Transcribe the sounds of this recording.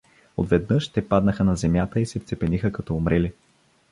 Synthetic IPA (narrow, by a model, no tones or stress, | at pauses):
o̰d̪vɛd̪nɤʃt̪ɛpad̪nəxənɐzɛmʲjat̪əisɛft̪sɛpɛnixəkɐt̪ɔːmɾɛli